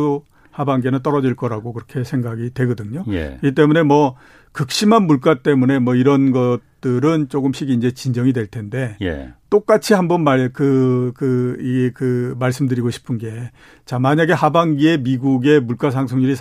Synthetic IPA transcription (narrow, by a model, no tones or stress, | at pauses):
habaŋɡenɯnt͈ʌɾʌd͡ʑiɭk͈ʌɾaɡokɯɾʌkʰe̞sʰeŋɡaɡitwe̞ɡʌdɯɲoj̰iit͈e̞mune̞mwʌ | kɯk̚ɕ͈imɦanmuɭk͈at͈e̞mune̞mwʌiɾʌnɡʌt͈ɯɾɯnt͡ɕ͈oɡɯmɕ͈ʰiɡind͡ʑe̞t͡ɕind͡ʑʌŋidwe̞ɭtʰe̞nde̞j̰t͈ok͈at͡ɕʰiɦambʌnmakɯkɯiɡekɯmaɭs͈ɯmdɯɾiɡoɕʰi̥pʰɯnɡe̞ | t͡ɕamaɲaɡe̞habaŋɡie̞miɡuɡe̞muɭk͈asʰaŋsʰoŋɲiɾis